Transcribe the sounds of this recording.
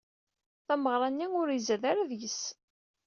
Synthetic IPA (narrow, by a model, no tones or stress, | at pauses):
θæməʁɾˤɑnːiʊɾizæðaɾaðʝəs